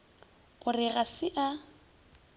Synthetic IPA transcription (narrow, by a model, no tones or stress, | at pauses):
ʊrɪɣasɪʔa